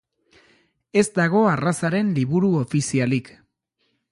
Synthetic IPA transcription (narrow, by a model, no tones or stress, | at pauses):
e̞zd̪aɣ̞o̞arasaɾe̞nliβuɾuofisialik